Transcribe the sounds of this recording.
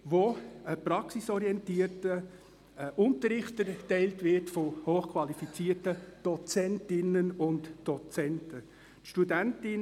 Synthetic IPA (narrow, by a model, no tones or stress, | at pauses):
voəprɑksisɔɾiɛntiːərtə | ʔʊntəɾɪχtəɾtɛɪltvɪtfohoːχkʰvɑlifit͡siːətəd̥ɔt͡sɛntɪnənʊntd̥ɔt͡sɛntə | tʃtudæntɪn